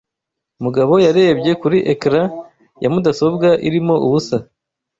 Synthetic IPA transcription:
muɡaβo̞jaɾe̞ːbɟe̞kuɾiʔekɾa | jamudaso̞bɡaʔiɾimo̞ʔuβusa

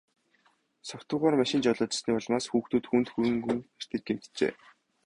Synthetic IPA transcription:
sɔkt̪ʊːʁaːrmaʃɪ̆nt͡ɕɔɮɔːt͡ɕɪ̆sniːpɔɮ̆maːsxuːxt̪uːt̪xuːnt̪xuɾɵ̆ŋɡuŋar̥ʲt̪ɘ̆k̪̚ɡem̥t̪t͡ɕḛː

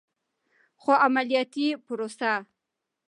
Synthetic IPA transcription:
xoʔamalijɑt̪ipʊɾosa

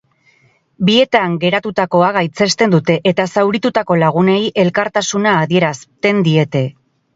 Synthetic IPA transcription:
bie̞t̪aŋɡe̞ɾat̪ut̪ako̞aɣajt͡se̞st̪e̞nd̪ut̪e̞ʔet̪asawɾit̪ut̪ako̞laɣ̞une̞jʔe̞lkaɾt̪asunaːðie̞ɾast̪e̞nd̪ie̞t̪e̞

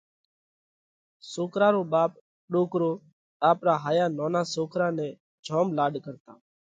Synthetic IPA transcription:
soːkʰɾãːɾoːɓaːp̚ | ɗoːkɾoː | aːpɾaːɦaːjaːnoːnãːsoːkʰɾãːnɛ̃ː | d͡ʒʱoːmlaːɖkəɾt̪aː

